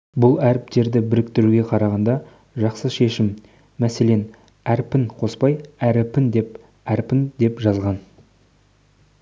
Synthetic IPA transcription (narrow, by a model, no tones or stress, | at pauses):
bʊlˠæɾɪp̚t̪e̞ɾd̪ɪbɪɾɪkt̪ɪɾuɡʲe̞qʰɑɾɑʁɑnd̪ɑ | ʒɑqsəʃe̞ʃɪmː | æse̞le̞n | æɾpɪnqʰo̞spɑjæɾɪpɪnd̪e̞p | æɾpɪnd̪e̞pʒɑzʁɑn